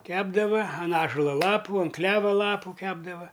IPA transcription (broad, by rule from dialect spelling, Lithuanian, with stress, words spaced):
ˈkʲæːbdɐʋɐ ɐn ˈɑːʒʊlˠɐ ˈlˠɑːpʊ ɐn ˈklʲæːʋɐ ˈlˠɑːpʊ ˈkʲæːbdɐʋɐ